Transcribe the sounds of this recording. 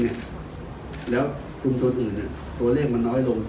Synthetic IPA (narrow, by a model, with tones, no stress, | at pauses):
ni˥˩ɐ | lɛː˦˥w | kʰu˧mt̪o˧nʔɯː˨˩nːi˥˩ | t̪u˧ɐleː˥˩k̚ma˧nːɔː˦˥jlo˧ŋ